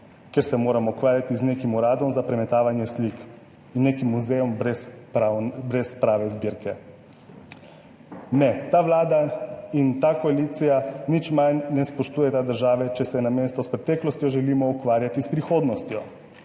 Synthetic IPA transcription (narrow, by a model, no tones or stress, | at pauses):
kɛɾsɛmoːɾamɔukʋaːɾjat̪izneːkimuɾaːd̪ɔmzapɾɛmɛt̪aːʋanjɛslik | inːeːkimuzɛjɔmbɾɛspanbɾɛspɾaːʋɛzbiːɾkɛ | nɛt̪aːʋlaːd̪aint̪akɔalit̪sijanit͡ʃmannɛspɔʃt̪uːjɛt̪ad̪əɾʒaːʋɛt͡ʃɛsɛnameːst̪ɔspɾɛt̪ɛːklɔst̪jɔʒɛliːmɔukʋaːɾjat̪ispɾixoːd̪nɔst̪jɔ